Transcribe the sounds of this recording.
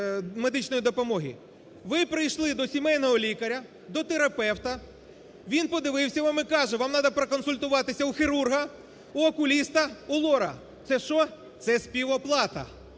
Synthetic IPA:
med̪ɪt͡ʃnɔjid̪ɔpɔmɔɦʲḭ | ʋɪpɾɪjʃlˠɪd̪ɔsʲimɛjnɔɦɔlʲikɐɾʲɐ | d̪ɔt̪eɾɐpɛwt̪ɐ | ʋʲinpɔd̪ɪʋɪwsʲɐʋɑmɪkɑʒɛʋɑmnɑd̪ɐpɾɐkɔnsʊlʲt̪ʊʋɑt̪ɪsʲɐuxiɾurɦɐ | uɔkʊlʲist̪ɐulˠɔɾɐ̰ | t̪sɛʃɔ | t̪sɛsʲpʲiʋɔplˠɑt̪ɐ̰

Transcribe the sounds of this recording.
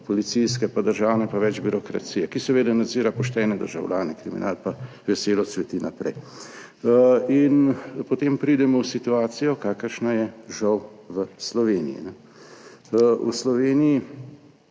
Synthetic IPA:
pɔlit̪siskɛpad̪əɾʒaːwnɛpaʋɛd͡ʒbiɾɔkɾa̰t̪siːjɛkisɛʋeːd̪anad̪ziːɾapɔʃt̪ɛːnɛd̪ə̰ɾʒawlʲaːnɛkɾimḭnʔaːlpa | ʋɛseːlɔsʋɛt̪inapɾɛ̰j | inpɔt̪eːmpɾid̪ɛmɔwsit̪uaːt̪sijɔkaːkəɾʃnajɛʒɐwʋəslɔʋeːnḭjḭnɛ | ṵslɔʋeːniji

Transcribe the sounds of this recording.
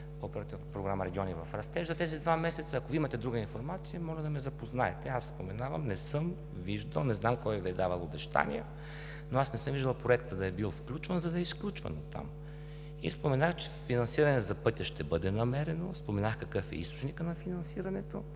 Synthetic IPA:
opɛɾɐt̪ivpɾoɡɾaməɾɛɡʲiɔnivɐfɾɐst̪ɛʒzɐt̪ɛzid̪vamɛsɛt̪sɐːkoviimɐt̪ɛd̪ɾuɡəinfoɾmat̪sijəmɔʒɛd̪ɐmɛzɐpoznaɛt̪ɛasspomɛnavɐmnɛsɤm | viʒd̪əlˠnɛznamkɔjviɛd̪avɐlˠobɛʃt̪a̰nḭə | noasnɛsɤmviʒd̪ɐlˠpɾoɛkt̪əd̪ɐɛbilˠfklʲut͡ʃvənzɐd̪ɐɛisklʲut͡ʃvɐ̰not̪a̰m | ḭspomɛnaxt͡ʃɛ̥finɐnsiɾɐnɛzɐpɤt̪ʲɐʃt̪ɛbɤd̪ɛnɐmɛɾɛnospomɛnaxkɐkɤfɛ̰ḭst̪o̥t͡ʃnikənɐfinɐnsiɾɐnɛt̪o

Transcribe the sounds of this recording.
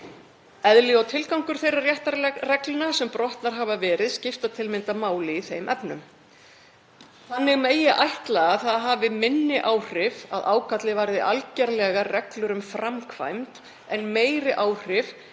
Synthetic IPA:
ɛðlɪawt̪ʰɪlkawŋkʏɾ̥θejrarjɛht̪aɾrɛklʏnasɛmpɾɔht̪naɾ̥ɦavavɛːɾɪðscɪft̪at̪ʰɪlmɪnt̪amaːwlɪːθejmʔɛpnʏ̰m | θanːɪɣmeːjɪʔajht̪laɣaθaðɦaːvɪmɪnːɪʔaːwr̥ɪva̰ðaːwkʰat̪lɪvajɾðɪʔalcɛɾlɛɣarɛklʏɾʏmfɾamkʰva̰jmt̪ | ɛnmeːjɾɪʔaːwr̥ɪv

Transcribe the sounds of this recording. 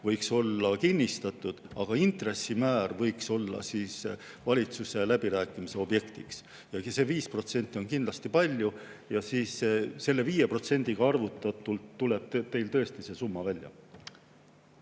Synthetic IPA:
vɤjkso̞lːɑkinʲːist̪ɑt̪ˑud̪̥ɑɡ̥ɑint̪re̞sːimæːrvɤ̞jkso̞lːɑ̰siːs | vɑlʲit̪suse̞læb̥iɾæːkːˑimise̞o̞bje̞kt̪iks | jɑse̞viːspro̞t̪se̞nʲt̪ːˑio̞nkind̪lɑst̪ipɑlʲjujɑsiːsese̞lːe̞viːje̞pro̞t̪se̞nʲd̪̥iɡ̥ɑɑrvut̪ːˑɑt̪ˑult̪ːule̞b̥̚t̪e̞jlt̪ɤ̞est̪ise̞sumːɑvælʲjɑ̰

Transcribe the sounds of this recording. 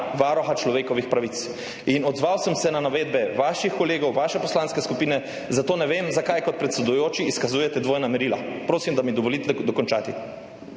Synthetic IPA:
ʋaɾɔxat͡ʃlɔʋeːkɔʋixpɾaʋit̪s | inɔd̪zʋawsəmsɛnanaʋeːd̪bɛʋaːʃixkɔleːɡɔwʋaːʃɛpɔslaːnskɛskupiːnɛ | zat̪oːnɛʋeːmzakajkɔt̪̚pɾɛt̪sɛd̪ujoːt͡ʃiːskazuːjɛt̪ɛd̪ʋoːjnamɛɾiːlapɾoːsimd̪amid̪ɔʋɔlit̪ɛd̪ɔkɔnt͡ʃaːt̪i

